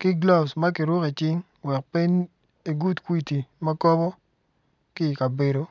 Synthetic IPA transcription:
kɪ˦ɡla˦bsma˦kɪ˨ɾʊ˦ke˨t͡ʃɪ˦ŋ | wɛ˨k̚pe˦ɲ | e˨ɡu˦tkwi˦ti˨ma˦kɔ˦bɔ˦ | kɪ˦˨ka˨be˨do˨

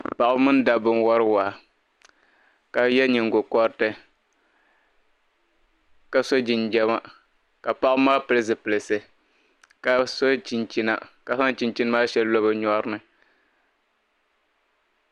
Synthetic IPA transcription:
pa˨ʔa˦mɨ˦n˦da˨bɨ˦n˦wɔ˦ɾɨ˦waː˨ | ka˨jɛ˦ɲɪ˨ŋɡo˨kɔ˦ɾtɨ˦ | ka˨so˦d͡ʒi˨nd͡ʒɛ˦ma˦ | ka˨pa˦ʔmaː˦pɨ˨lɨ˦zɨ˨pɨ˨lɨ˨sɨ˨ | ka˨so˦t͡ʃi˨nt͡ʃi˦na̰˨ka˨sa˦n˦t͡ʃi˦nt͡ʃi˦nɨ˦maː˦ʃɛ˦llo˦bɨ˦ɲɔ˦ɾɨ˦nɨ˨

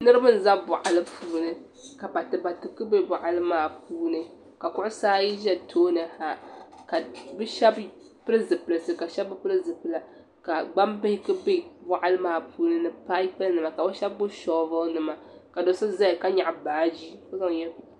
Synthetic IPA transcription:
nɨ˦ɾɨ˦bɨ˦n̩˦za˦bʊ˨ʔa˨lɨ˦pʰuː˦nɨ˦ | ka˨pa˨tɨ˨ba˨tɨ˨kɨ˦be˦bʊ˨ʔa˨lɨ˦maː˨puː˦nɨ˦ | ka˨kʊ˦ʔʊ˦saː˦ji˦ʒɛ˦tʰoː˦nɨ˨ha˨ka˨bɨ˦ʃɛ˦b | pɨ˦ɾɨ˦zɨ˨pɨ˨lɨ˨sɨ˨ka˨ʃɛ˦bɨ˦pɨ˦lɨ˦zɨ˨pɨ˦la˨ | ka˨ɡ͡ba˦mbɨ˦hɪ˦kɨ˦be˦bʊ˨ʔa˦lɨ˦maː˨puː˦nɨ˦nɨ˦pa˦i˦pa˦lnɨ˨ma˨ka˨bɨ˦ʃɛ˦bːʊ˦ʃɔ˦vɨ˦nɨ˨ma˨ka˨do˨sɨ˦za˦jka˦ɲa˨ʔbaː˨d͡ʒi˦ko˦za˦ŋ˨jɛ˦

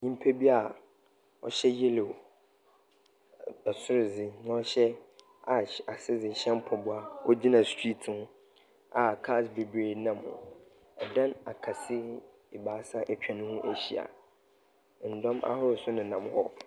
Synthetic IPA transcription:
ɲĩ˦m̩˦pʰe˦bi˦a˨ | ɔ̰˦ɕɛ˦je˦le˨ | ɛ˨sʊ˦ɾɪ˨zɪ˨nã˨˦ɔ˦ɕɛ˦ | a˨a˨sɪ˦zɪ˨ɕɛ̃˦m˦pʰɔ˨bʊ˨a˨wɔ˦d͡ʑi˦nã˨stʰi˦tʰhʊ̃˦ | a˨kʰa˦˨sbe˨bɾe˦˨nã˨mʊ̰̃˨ | ɛ˨dã˦na˨kʰa˨sɪ˦ | ɪ˨baː˨˦sa˦ʔɛ˨t͡ɕᶣã˨nʊ̃˦hũ˦ʔæ˦ɕi˨a̰˨ | n̩˨dɔ̃˦mʔa̰˦hʊ˦ɾʊ˨sʊ˦nɪ̃˨nã˨mhɔ˦

